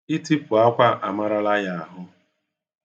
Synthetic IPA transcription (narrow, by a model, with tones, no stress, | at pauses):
ɪ˦ti˦pʊ˨a˦kʷa˦ʔa˨ma˦ɾa˦la˦ja˦a˨ɦʊ˦